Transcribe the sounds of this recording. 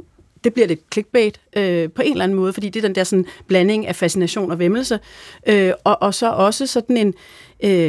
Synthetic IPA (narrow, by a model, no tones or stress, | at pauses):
d̥e̝b̥liɐɾ̥e̝d̥kʰle̝ɡ̥̚b̥ɛ̰ːd̥ʔøpʰɒ̽e̝nlæn̩mɔ̽ːðˠfɒ̽d̥ḭːd̥e̝ɐd̥end̥eɐsɒ̽n̩b̥læne̝ŋæfæsinæɕo̝̰ːnɒ̽ʋeml̩səʔøɒ̽ʔɒ̽sɒ̽ʔɒ̽səsɒ̽d̥n̩e̝n | ø